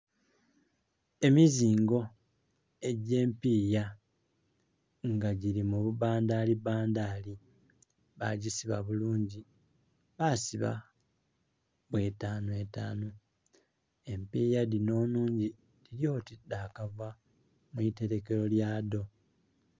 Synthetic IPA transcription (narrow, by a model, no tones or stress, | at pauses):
e̞miziːŋɡo̞ | e̞ɟe̞ːmpiːja | ŋɡaɟiɾimuβuβaːndaːlibaːndaːli | βa̰ɟisiβa̰βuluːɲɟi | βasiβa̰ | βwe̞ːtaːnueta̰ːnu | e̞mpiːjadino̞ːnuːɲɟi | diɾjo̞ːtidaːkavwa | muite̞ɾe̞ke̞ɾo̞ljaːdo̞